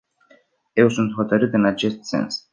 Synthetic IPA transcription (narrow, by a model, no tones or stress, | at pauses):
ɛwsunt̪wɔt̪ʰɔɾɨt̪ɨnat͡ʃʰɛst̪sɛ̰̃ns